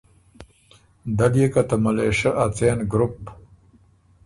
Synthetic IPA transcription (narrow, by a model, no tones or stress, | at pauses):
d̪aljekat̪amaleːʂɐʔat͡seːnɡɾup